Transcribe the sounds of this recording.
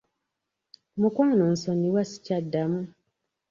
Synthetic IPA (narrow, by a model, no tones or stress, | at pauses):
mukaːnon̩sonːiwasi̥cadːamu